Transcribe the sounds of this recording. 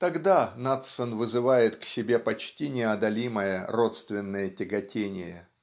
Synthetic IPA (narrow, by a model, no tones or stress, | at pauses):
t̪ɐɡd̪anat̪sənvɨzɨvajɪt̪ksʲɪbʲe̞pɐt͡ɕtʲinʲɪɐd̪ɐlʲiməjərot̪st̪vʲɪnːəjətʲɪɡɐtʲenʲɪ̰jə